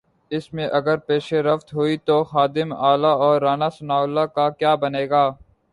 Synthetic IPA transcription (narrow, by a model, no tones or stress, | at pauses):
ɪsmẽʔɐɡəɾpeːʃeɾɐft̪ɦoit̪oxaːd̪ɪmaːlaɔːɾːaːnasʊnaːʊlːakakjaːbɐneːɡaː